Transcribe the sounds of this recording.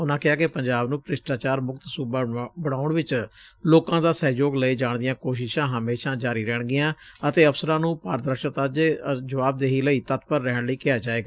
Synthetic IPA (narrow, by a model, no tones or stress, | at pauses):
ʊnãːkɪɦaːkɪpəɲd͡ʒaːbnũːpɾɪsʈaːt͡ʃaːɾmʊkt̪suːbabəɽaːʊɳʋɪt͡ʃloːkãːd̪aːsɛːjoːɡləiːd͡ʒaːɳd̪ɪjãːkoːʃɪʃãːɦəmeːʃãːd͡ʒaːɾiːɾɛːɳɡɪjãːət̪eːəpsəɾãːnũːpaːɾd̪əɾʃət̪ad͡ʒeːd͡ʒəʋaːb̚d̪eːɦiːləiːt̪ət̪pəɾːɛːɳləiːkɪaːd͡ʒaːeːɡaː